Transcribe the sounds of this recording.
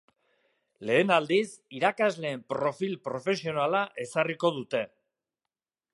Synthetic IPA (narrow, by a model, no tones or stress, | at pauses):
le̞ːnald̪isiɾakazle̞ːmpɾo̞filpɾo̞fe̞sio̞nalaʔe̞sariko̞ðut̪e̞